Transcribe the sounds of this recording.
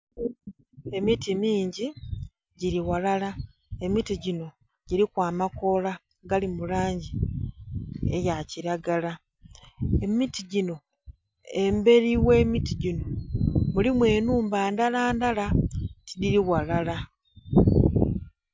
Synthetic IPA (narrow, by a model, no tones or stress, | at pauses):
e̞mitimiːɲɟi | ɟiɾiwalala | e̞mitiɟino̞ | ɟ̥iɾikwaːmako̞la | ɡalimulaːɲɟi | e̞̰jaciɾaɡala | e̞mitiɟino̞ | embe̞ɾiwe̞ːmitiɟino̞mulimwe̞ːnuːmbaːndalaːndalatidiɾiwalala